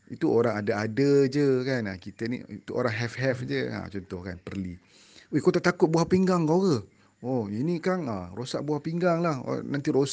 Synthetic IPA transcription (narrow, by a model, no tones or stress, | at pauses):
it̪uoɾaŋadaadəd͡ʒəkanakit̪ənḭit̪uʔo̰ɾaŋɦɛfɦɛfd͡ʒəa̰t͡ʃɔnt̪ɔhkanpərli | wehkot̪aʔt̪akʊt̪̚buɦahpiŋɡaŋkoɣə | ɔinikanarosaʔbuahpiŋɡaŋlahnãnt̪iɾos